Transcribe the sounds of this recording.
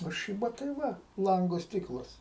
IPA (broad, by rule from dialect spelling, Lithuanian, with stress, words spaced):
oː ˈʃʲiːbɐ tɐɪ ˈʋɐ ˈlˠɐŋɡoː ˈsʲtʲɪklˠɐs